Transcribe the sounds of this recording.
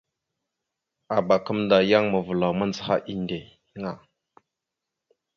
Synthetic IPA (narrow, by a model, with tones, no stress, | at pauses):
a˨ba˨kə˦mda˨ja˦ŋmə˨və˨la˨wmə˦nd͡zə˨ha̰˦ʔi˦nde˨ | ə˦ŋa˨